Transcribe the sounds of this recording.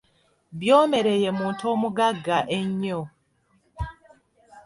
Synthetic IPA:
bjoːme̞ɾejemuːntomuɡaɡːaʔeɲːo

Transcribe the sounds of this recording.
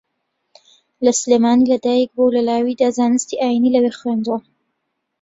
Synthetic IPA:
lɐsleːmaːnilɐd̪aːjək̚bowlɐlaːwid̪azaːnɨst̪iʔaːjinilɐwexweːnd̪wo

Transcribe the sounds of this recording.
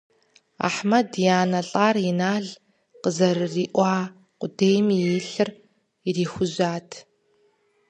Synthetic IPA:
a̰ħmɐdijaːnɐɬʼaːrɪnaːɮ | qəzɐrɨriːʔʷɑː | qʷʊdeːjmijeːɬɨr | iriːxʷʊʑaːtʰ

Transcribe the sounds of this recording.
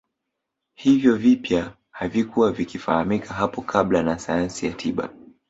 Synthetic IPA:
hivjɔvipja | havikuwavikifahamikʰaɦapɔkʰaɓlanasajansijatʰiɓa̰

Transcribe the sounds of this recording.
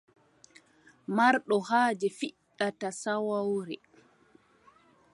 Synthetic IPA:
maɾɗɔhaːd͡ʒɛfiɗːatasawawɾɛ

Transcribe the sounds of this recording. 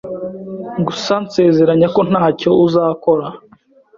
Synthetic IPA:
ɡusanse̞ːze̞ɾaɲako̞n̥haːco̞uzaːko̞ɾa

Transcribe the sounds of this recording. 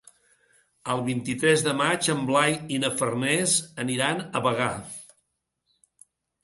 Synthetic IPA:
əlˠβint̪it̪ɾɛzðəmat͡ʃəmblajinəfərnɛzəniɾanəβəɣa

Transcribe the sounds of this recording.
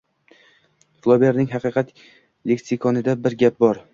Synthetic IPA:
flˠobʲeɾnɪŋɦɑqɨːqʰɑt̪ | lek̪sɪkʰɒnɪd̪abɪɾɡʲap̚bɒɾ

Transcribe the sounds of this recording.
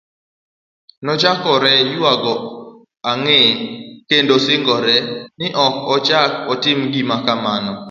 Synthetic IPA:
nɔt͡ʃakɔɾɛjuaɡɔ | aŋɛkendosɪŋɡɔɾɛnɪʔɔkɔt͡ʃakɔtɪmɡimakamanɔ

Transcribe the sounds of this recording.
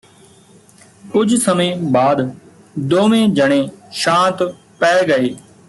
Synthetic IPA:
kʊd͡ʒʱsəmẽːbaːd̪ | d̪oːmẽːd͡ʒʱəɳ̃ẽːʃãːt̪ | pɛːeɡəeː

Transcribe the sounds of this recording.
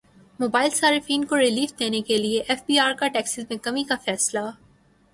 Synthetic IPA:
moːbaːɪlsaːɾɪfiːnkoɾɪliːfd̪eːnekelieʔɛfbiːaːɾkaʈɛːksɪzmẽkɐmikafɛːsla

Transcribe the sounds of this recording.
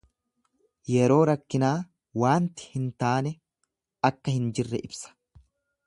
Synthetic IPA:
jɛɾo̞ːɾɐkːɪnaː | waːnt̪ɪ̥hɪnt̪aːnɛ | ɐkːɐhɪnd͡ʒɪrːɛʔɪbsɐ̥

